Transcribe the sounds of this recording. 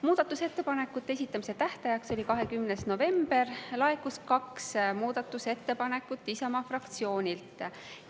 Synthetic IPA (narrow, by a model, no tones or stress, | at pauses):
muːd̪̥ɑt̪ːˑuse̞t̪ːe̞pɑne̞kːˑut̪ːˑe̞esit̪ːˑɑmise̞t̪æht̪ɑjɑkso̞lʲikɑɦe̞kymnesno̞ve̞mb̥e̞rlɑe̞kːuskɑksmuːd̪̥ɑt̪ːˑuse̞t̪ːe̞pɑne̞kːˑut̪ːˑisɑmɑfrɑkt̪sio̞ːnʲilt̪ˑ